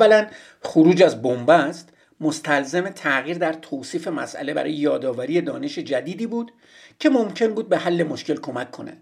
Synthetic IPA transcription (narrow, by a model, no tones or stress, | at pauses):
ælæn | xoɾuːd͡ʒæzbombæst̪ | mo̞st̪ʰælzeme̞t̪ʰæɣiːɾd̪æɾt̪ʰoːsiːfe̞mæ̰sʔæ̰le̞bæ̰ɾɒːjejɒːd̪ɒːvæɾijed̪ɒ̰ːne̞ʃe̞d͡ʒæd̪iːd̪iːbuːd̪̥ | cʰe̞momcʰe̞nbuːd̪̚beɦælːe̞mo̞ʃce̞lkʰo̞mækʰːo̞næ̰d̪̥